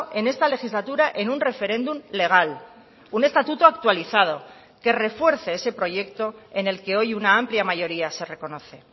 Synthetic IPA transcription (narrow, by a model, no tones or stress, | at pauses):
ʔe̞ne̞st̪ale̞xizlat̪uɾaʔe̞nunre̞fe̞ɾẽ̞nd̪umle̞ɣ̞al | une̞st̪at̪ut̪oak̚t̪waliθað̞o̞ | ke̞re̞fwe̞ɾθe̞e̞se̞pɾo̞ʝe̞kt̪o̞e̞ne̞lke̞o̞junaampljamaʝo̞ɾiase̞re̞ko̞no̞θe̞